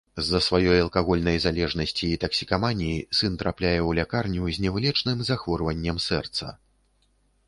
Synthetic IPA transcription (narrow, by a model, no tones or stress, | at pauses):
zːɐsvajɔjɐlˠkaɣɔlʲnɐjzalʲɛʐnɐsʲt͡sʲiːt̪ɐksʲi̥kavanʲiisɨnt̪ɾaplʲajɛwlʲakarnʲuzʲnʲɛwlʲɛt͡ʂnɨmzaxvɔrvɐnʲːɐmsɛrt̪sɐ̰